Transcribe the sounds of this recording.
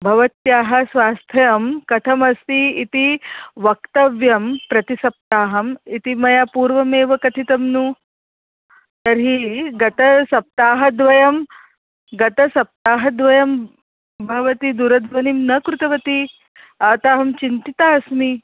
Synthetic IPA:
bʱɐʋɐt̪jaːɦɐsʋaːst̪ʰɐjɐmkɐt̪ʰɐmɐst̪iit̪iʋɐkt̪ɐʋjɐmpɾɐt̪isɐp̚t̪aːɦɐmit̪imɐjapuːɾʋɐmeːʋɐkɐt̪ʰit̪ɐmnuː | t̪ɐɾɦiɡɐt̪ɐsɐp̚t̪aːɦɐd̪ʋɐjɐm | ɡɐt̪ɐsɐp̚t̪aːɦɐd̪ʋɐjɐm | bʱɐʋɐt̪id̪uɾɐd̪ʱʋɐnimnɐkɾut̪ɐʋɐt̪i | aːt̪aːɦɐmt͡ʃint̪it̪aːɐsmi

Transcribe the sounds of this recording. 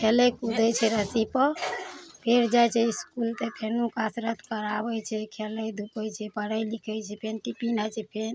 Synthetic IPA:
kʰelɛkud̪ʱɛt͡ʃʰɛɾəsipə | pʰeɾd͡ʒajt͡ʃʰɛiskult̪epʰenukasɾət̪kəɾabɛt͡ʃʰɛkʰeləjd̪ʱupɛt͡ʃʰɛpəɽəjlikʰɛjt͡ʃʰɛpʰenʈipinajt͡ʃʰɛpʰen

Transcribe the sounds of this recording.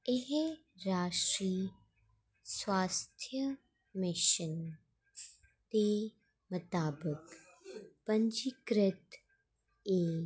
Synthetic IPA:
eɦ | ɾaːʃɾiː | swaːst̪ʰjə | mɪʃən | t̪eː | mʊt̪aːbək | pɐ̃ɲd͡ʒikɾɪt̪ | eː

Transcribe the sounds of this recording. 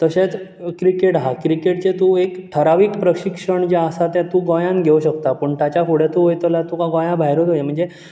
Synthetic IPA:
t̪əɕẽt͡skɾikeʈɦakɾikeʈ̚t͡ɕet̪uekʈʰəɾaʋiːkpɾəɕikʂəɳd͡ʑaəsat̪ɛ̃t̪ũːɡɔjãŋɡʱeuɕəkt̪apəɳt̪at͡ɕakoɽɛt̪uɦojt̪əlat̪ukaɡɔ̃jãbʱajɾot̪ɦojem̤əɳd͡ze

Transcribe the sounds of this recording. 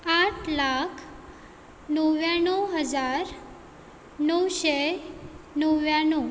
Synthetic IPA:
aʈʰlakʰ | nəʋjaɽ̃uɦəd͡zaɾ | nəwʃe | nəʋjaɳ̃u

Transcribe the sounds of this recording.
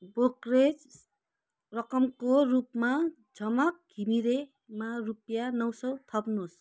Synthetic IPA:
bokred͡z | rʌkʌmkorupma | d͡zʱʌmʌk̚ɡʱimiɾe | marupjanʌwsʌwt̪ʰʌpnos

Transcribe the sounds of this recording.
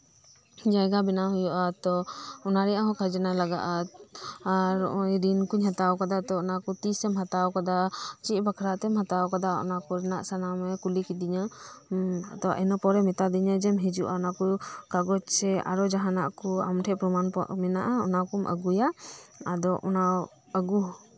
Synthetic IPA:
d͡ʒajɡabɛnaɦujɔʔat̪ɔɔnaɾɛjaɦɔ̃kʰad͡ʒanalaɡa̰ʔa | ɾɔʔɔɾinkuɲɦat̪awkad̪at̪ɔɔnakɔt̪isɛmɦat̪awkad̪at͡ʃiʔbakʰɾaʔt̪ɛmhat̪awkad̪aɔ̰nakɔɾɛnaʔsanamɛkulikid̪iɲa̰ | d̪ɔʔɛnɔpɔɾɛmɛt̪ad̪iɲad͡ʒɛmɦɛd͡ʒuʔaɔnakɔkaɡɔt͡ʃsɛa̰ɾɔd͡ʒaɦana̰ʔkɔa̰mʈʰɛʔpɾɔmanpɔ̰ʔmɛnaʔaɔ̰nakɔmʔə̰ɡujaad̪ɔʔɔnaw | əɡu

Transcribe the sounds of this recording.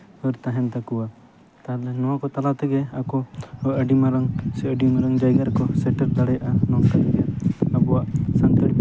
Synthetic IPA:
hɔɾt̪aɦɛnt̪akuwa | t̪alɛnɔwakɔt̪alat̪ɛɡɛakɔəʔəɖimaɾaŋsɛəɖimaɾaŋd͡ʒajɡaɾkɔsɛʈɛɾd̪aɽɛjaʔanɔŋkank̪ɛjaabɔwaʔsant̪əɽ

